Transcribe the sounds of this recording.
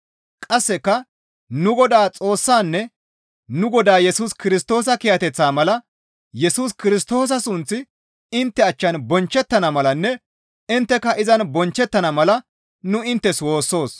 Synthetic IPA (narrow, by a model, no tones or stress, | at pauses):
kʼɐsːɛkːɐ | nʊɡɔd̪aːt͡sʼo̞ːsːaːnːɛ | nʊɡɔd̪aːjɛsuːskɪɾɪst̪o̞ːs̬ɐkɪjɐt̪ɛt͡sːaːmɐlɐ | jɛsuːskɪɾɪs̬t̪o̞ːs̬ɐsʊnt͡sːɪ | ɪnt̪ːɛɐt͡ʃːɐnbɔnt͡ʃːɛt̪ːɐnɐmɐlɐnːɛ | ɪnt̪ːɛkːɐʔɪzɐnbɔnt͡ʃːɛt̪ːɐnɐmɐlɐ | nʊɪnt̪ːɛswo̞ːsːo̞ːs